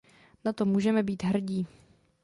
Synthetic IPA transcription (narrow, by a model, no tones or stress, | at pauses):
nat̪o̞muːʒɛmɛbiːt̪ɦr̩ɟiː